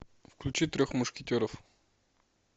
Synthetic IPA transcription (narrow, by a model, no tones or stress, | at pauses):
fklʲʉt͡ɕit̪ɾʲoxmʊʂkʲɪtʲoɾəf